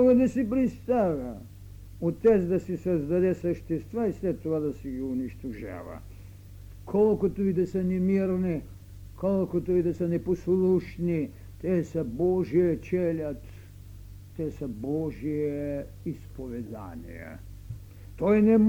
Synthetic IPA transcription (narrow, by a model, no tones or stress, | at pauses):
oɡad̪asipɾist̪aʋa | ut̪ɛzd̪asisazd̪ad̪ɛsaʃt̪ist̪ʋaisʋɛt̪oad̪asiɡiuniʃt̪uʒa̰ʋa̰ | kʰolˠkot̪uid̪asanɛmiɾni | kolˠkot̪uid̪asanɛposlˠuʃni | t̪ɛsabɔʒiɛt͡ʃelat̪ | t̪ɛsabɔʒije | ispoʋɛd̪a̰nḭja̰ | t̪ojnɛm